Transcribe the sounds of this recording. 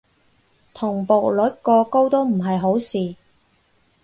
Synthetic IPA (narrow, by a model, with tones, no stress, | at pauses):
t̪ʰʊ˨˩ŋpo˨˩k̚lɵ˨˥t̚kɔː˧ko˥wt̪o˥wm̩˨˩ɦɐ˨jɦo˨˥wsiː˨